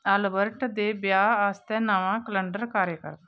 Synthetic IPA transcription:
əlbəɾʈd̪eːbjaːaːst̪ɛ̃ːnaːʋãːkələ̃ɳɖəɾkaːɾjəkə̰ɾ

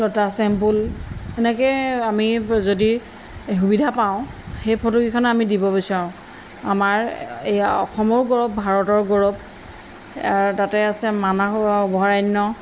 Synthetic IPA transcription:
lɔtasɛmpulɛnɛkɛjamizodi | xubidʱapaʊ̃xejpʰɔtukikʰɔnamidibɔbisaɹʊ̃ | amaɹejaɔ̰kʰɔmɔɹɡɔɹɔp̚bʱaɹɔtɔɹɡɔɹɔp̚ | aɹtatɛasɛmanabɔɦaɹajnːɔ

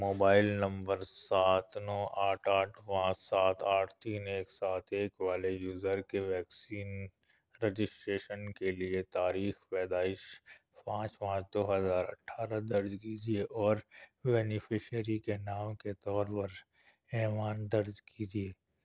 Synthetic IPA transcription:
moːbaːɪlnɐ̃mbəɾsaːt̪nɔːʔaːʈʰaːʈʰpãːt͡ʃsaːt̪aːʈʰt̪iːneːksaːt̪ʰeːkʋaːlejuːzəɾkeʋɛːksiːn | ɾed͡ʒɪsʈɾeːʃənkeliet̪aːɾiːxpɛːd̪aːɪʃ | pãːt͡ʃpãːt͡ʃd̪oːɦəzaːɾɐ̰ʈʰːaːɾad̪ɐɾd͡ʒkiːd͡ʒieʔɔːɾbɛːnɪpʰɪʃəɾikenaːmket̪ɔːɾpɐɾ | ɛːʋaːnd̪ɐɾd͡ʒkiːd͡ʒieː

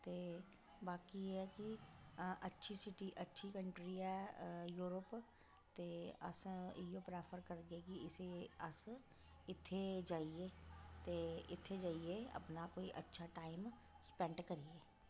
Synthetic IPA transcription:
t̪e | baːkijeɦɛki | ɐtːʃʰisɪʈiʔɐtːʃʰikə̃ɳʈɾiɛjuːɾəp | t̪eɐsijopɾaːpʰəɾkəɾɡekiɪseɐs | ɪt̪ʰːed͡ʒaːiet̪eɪ̰t̪ʰːed͡ʒaːieɐ̰pnakoːiʔɐtːʃʰaʈaːɪm | spɛ̃ɳʈkɐɾieː

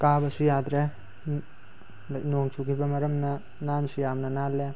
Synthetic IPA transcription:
kabɐsujad̪ɾe | noŋt͡ʃʰukʰibɐmɐɾɐmnɐ | nansujamnɐnale

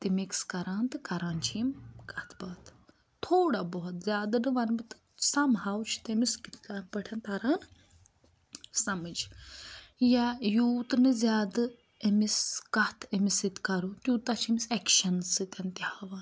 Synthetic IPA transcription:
t̪imikskɐɾaːnt̪ɨkɐɾaːnt͡ʃʰimkɐt̪ʰbɐːt̪ | t̪ʰoːɽabɔɦɔt̪zʲaːd̪nɨʋɐnbit̪ɨ̥ | sɐmhawt͡ʃʰi̥t̪emiskit̪ʰapəʈʰɐnt̪ʰɐɾaːn | sɐmɨd͡ʒ | jajuːt̪ɨnɨzʲjaːd̪ɨ | emiskɐt̪ʰemisit̪kɐɾut̪jut̪ɐt͡ʃʰimisɛkʃɐnsɨt̪ɐnt̪ihaːʋaːn

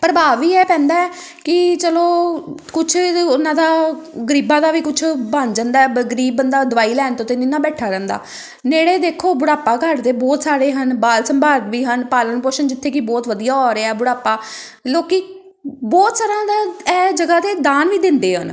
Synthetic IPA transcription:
pəɾbaːʋiːɛːpɛ̃ːnd̪aːɛː | kɪt͡ʃəloːkʊt͡ʃʰʊnãːd̪aːɡəɾiːbãːd̪aːʋiːkʊt͡ʃʰbə̃nd͡ʒənd̪aːɛːɡəɾiːbənd̪aːd̪əʋaːiːlɛːnt̪õːt̪eninãːbɛːʈʰaːɾɛ̃ːnd̪a̰ː | neːɽeːd̪eːkʰoːbʊɽaːpaːkəɖd̪eːbɔːt̪saːɾeːɦənbaːlsəmbʱaːt̪ʋiːɦənpaːlənpoːʃənd͡ʒɪt̪ʰːeːkibɔːt̪ʋəd̪ijaːɔːɾeɛːbʊɽaːpaː | loːkiː | bɔːt̪saːɾãːd̪aːɛːd͡ʒəɡaːt̪eːd̪aːnʋiːd̪ɪ̃nd̪eːɦə̰n

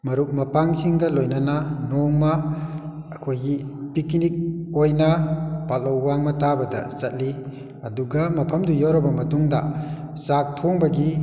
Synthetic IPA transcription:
mɐɾuk̚mɐpaŋsiŋɡɐlojnɐnɐnoŋmɐː | kʰojɡipikinik̚ojnɐpalːɐwːaŋmɐtabɐdɐ̰sɐt̚li | ɐduɡɐmɐpʰɐmdujawɾɐbɐmɐtuŋdɐ̰ | sak̚tʰoŋbɐɡi

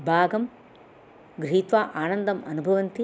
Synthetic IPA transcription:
bʱaːɡɐm | ɡɾiːt̪ʋaːʔaːnɐnd̪ɐmɐnubʱɐʋɐnt̪i

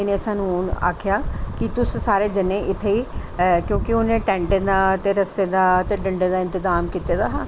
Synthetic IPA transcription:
ɪnẽːsaːnũna̰ːkʰɪjaːkɪt̪ʊssaːɾeːd͡ʒənːẽːʔɪt̪ʰːeːiːkjõːkiʊnẽːʈɛ̃ːɳɖeːd̪aːt̪eːɾəsːeːd̪aːt̪eːɖəɳɖeːd̪aːɪ̃nt̪ɪzaːmkiːt̪eːd̪aːɦãː

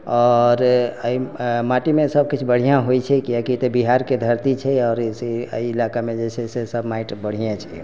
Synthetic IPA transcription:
ɔɾəimaʈimesəb̚kit͡ʃʰbəɽ̤ijãɦojt͡ʃʰɛkijakit̪ebiɦaɾked̪ʱəɾt̪it͡ʃʰɛɔːɾseə̰iːlakamed͡ʒɛsesesəbʱmaiʈbəɽ̤ijet͡ʃʰɛ

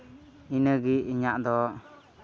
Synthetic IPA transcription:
inəɡiiɲaʔd̪ɔ

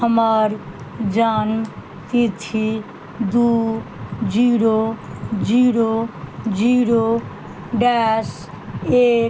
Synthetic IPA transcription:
ɦəmaɾ | d͡ʒan | t̪it̪ʰi | d̪u | d͡ʒiːɾod͡ʒiɾod͡ʒiɾo | ɖɛs | e

